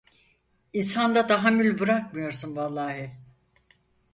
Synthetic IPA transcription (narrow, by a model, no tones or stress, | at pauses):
insand̪ad̪aɦamylʲbɯɾakmɯjo̞ɾsunvalˠːaːɦi